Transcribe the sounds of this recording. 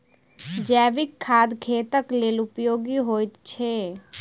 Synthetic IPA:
d͡ʒɛːʋɪkʰːaːd̪kʰeːt̪əkleːlʊpjoːɡiɦoːjt̪t͡ʃʰe

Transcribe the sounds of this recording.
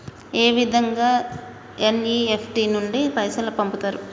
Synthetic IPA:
eːʋid̪ʱɐŋɡaː | eniːepʰʈinuɳɖipɐjsɐlɐpɐmput̪aːɾu

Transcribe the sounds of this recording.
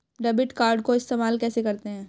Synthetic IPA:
ɖɐbɪʈkaːɾɖkoɪst̪eːmaːlkɛːsekɐɾt̪eɦɛ̃ː

